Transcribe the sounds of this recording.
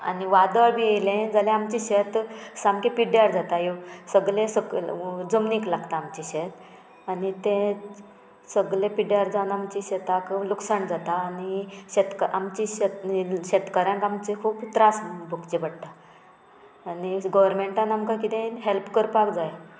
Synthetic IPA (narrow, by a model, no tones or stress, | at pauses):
a̰niʋad̪əɭbʱielẽd͡zalẽamt͡ɕiɕet̪samkepiɽjaɾd͡zat̪ajosəɡlẽsəd͡zəmniklaɡt̪aːmt͡ɕiɕet̪ | anit̪ẽ | səɡlepiɖjaɾd͡zawnamt͡ɕiɕet̪akluksəɳd͡zat̪aːniɕet̪kəʔamt͡ɕiɕet̪ɕet̪kəɾjãŋkamt͡sekʰuːbt̪ɾasbʱukt͡ɕebəɽt̪a | niɡɔʋəɾmeɳʈãnamkakit̪ẽɦelpkəɾpakd͡zaj